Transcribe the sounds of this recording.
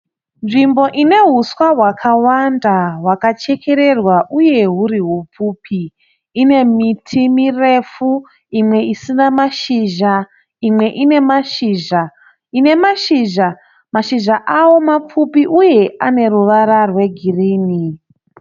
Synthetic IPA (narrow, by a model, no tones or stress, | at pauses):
nʐimbo̞ʔine̞ɦuswaɦwakʰawandawakat͡ʃe̞kʰe̞ɾe̞rwaʔuje̞ɦuɾiɦup͡fuːpʰiː | ne̞mitʰimire̞fu | imwe̞isinamaʃiʒa | imwe̞ʔine̞maʃiːʒa | ine̞maʃiːʒa | maʃiʒaʔawo̞map͡fupiʔuje̞ʔane̞ruʋaɾarwe̞ɡʱiriːni